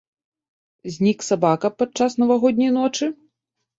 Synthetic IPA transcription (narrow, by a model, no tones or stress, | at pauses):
zʲnʲiksabakɐpat͡ʂasnɐvaɣɔd̪ʲnʲɐjnɔt͡ʂɨ